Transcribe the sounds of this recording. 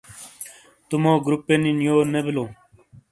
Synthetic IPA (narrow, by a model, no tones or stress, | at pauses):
t̪umoːɡɾupːeninjoːnebiloː